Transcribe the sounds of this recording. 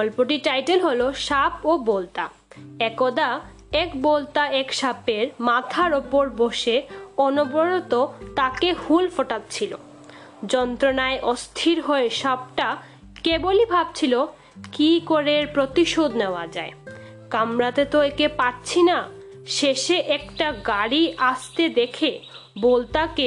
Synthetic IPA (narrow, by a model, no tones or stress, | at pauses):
bɔlpoʈiʈajʈelɦoloʃapobolt̪a̰ | ɛkod̪a | ɛkbolt̪aɛkʃapeɾmat̪ʰaɾopoɾboʃeɔnoboɾot̪ot̪akehulfoʈat̪t͡ɕʰilo̰ | d͡ʑɔnt̪ɾonaeʔɔst̪ʰiɾɦoeʃɔb̚ʈa | kebolibʱab̚t͡ɕʰilo | kikoɾeɾpɾot̪iʃod̪neoad͡ʑae | kamɾat̪et̪oekepaʈ̚t͡ɕʰina | ʃeʃeʔɛkʈaɡaɽiʔast̪ed̪ekʰe | bolt̪ake